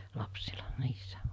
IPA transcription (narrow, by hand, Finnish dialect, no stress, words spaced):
lɑpsilɑ niːsːæ